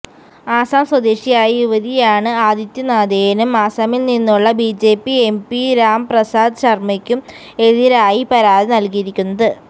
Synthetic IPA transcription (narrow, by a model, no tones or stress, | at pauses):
aːsaːmswɐd̪eːʂijaːjiuʋɐðijaːɳɨaːd̪jɐt̪ːjɐnaːd̪eːjɐnumaːsaːmilninːuɭːɐbid͡ʑe̞ːpːie̞mpiɾaːmprɐsaːd̪ɕɐrmɐkʲːum | e̞ðiɾaːjipɐɾaːd̪inɐlkijiɾikʲːunːɐðɨ